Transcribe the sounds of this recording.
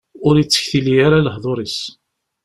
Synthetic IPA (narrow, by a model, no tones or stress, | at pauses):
ʊɾit͡sːə̥çθilːiaɾaləhðˤoɾˤis